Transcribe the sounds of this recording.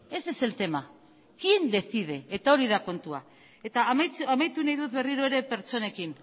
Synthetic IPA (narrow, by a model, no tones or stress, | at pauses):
e̞se̞se̞lt̪e̞ma | kind̪e̞θið̞eːt̪ao̞ɾiðako̞nt̪ua | e̞t̪ajamajt̪unajðut̪βe̞riɾoeɾe̞pe̞ɾt͡so̞ne̞kin